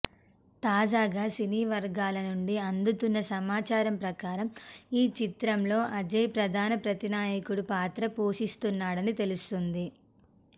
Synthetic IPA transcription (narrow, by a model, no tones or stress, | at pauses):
t̪aːd͡ʒaːɡaːsiniːʋɐɾɡaːlɐnuɳɖiɐnd̪ut̪unːɐsɐmaːt͡ʃaːɾɐmpɾɐkaːɾɐmiːt͡ʃit̪ɾɐmlo̞ːʔɐd͡ʒɐjpɾɐd̪ʱaːnɐpɾɐt̪inaːjɐkuɽupaːt̪ɾɐpoːʂist̪unːaːɽɐnit̪e̞lust̪und̪i